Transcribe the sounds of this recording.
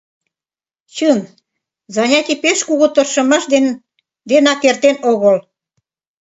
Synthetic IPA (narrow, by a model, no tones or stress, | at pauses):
t͡ɕən | zɑnʲɑt̪ʲipeʃkuɣot̪ə̆rʃə̆mɑʃd̪en | d̪enɑkːert̪enoɣɤl